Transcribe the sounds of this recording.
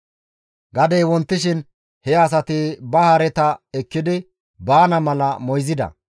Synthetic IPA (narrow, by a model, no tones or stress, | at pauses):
ɡɐd̪ejwɔnt̪ːɪʃɪn | hɛɐs̬ɐt̪ɪbɐhɐɾɛt̪ɐɛkːɪd̪ɪ | baːnɐmɐlɐmɔjzɪd̪ɐ̰